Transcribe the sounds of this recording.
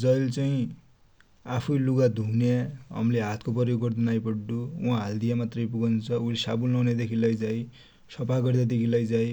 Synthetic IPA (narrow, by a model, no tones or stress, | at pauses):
d͡zʌjlt͡saĩ | apʰujluɡad̪ʱunjaɦʌ̰mleɦat̪ʰkopʌrjoɡɡʌrd̪unajpʌɽːuwãɦald̪ijamat̪rʌjpuɡʌnt͡sʰʌulesabulnʌwned̪ekʰilʌjd͡zaj | sʌpaɡʌrd̪ad̪ekʰilʌjd͡zaj